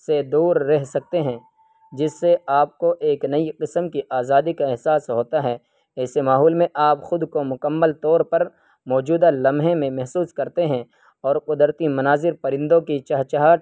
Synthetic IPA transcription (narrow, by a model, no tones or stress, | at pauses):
sed̪uːɾːɛɦsɐk̚t̪eɦɛ̃ː | d͡ʒɪsːeaːp̚koʔeːknɐiqɪsəmkiʔaːzaːd̪ikaɛɦsaːsɦoːt̪aɦɛː | ɛːsemaːɦɔːlmẽʔaːpxʊd̪komʊkəmːəlt̪ɔːɾpɐɾ | mɔːd͡ʒuːd̪alɐmɦẽmẽmɛɦsuːskɐɾt̪eɦɛ̃ | ɔːɾqʊd̪ɾt̪imɐnaːzɪɾpɐɾɪ̃nd̪õkit͡ʃɐɦt͡ʃaɦaːt̪